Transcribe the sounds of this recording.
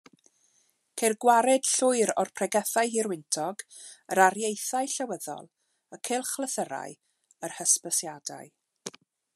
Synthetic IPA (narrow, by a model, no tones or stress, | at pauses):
kʰerɡwaɾɛd̥ɬʊɨɾɔrpʰrɛɡɛθajɦirwɪntʰɔɡəɾarjejθaɨɬawəðɔ̰lˠ | əkʰelˠχlˠəθəɾa̰ɨ | ərhəspəsjada̰jɨ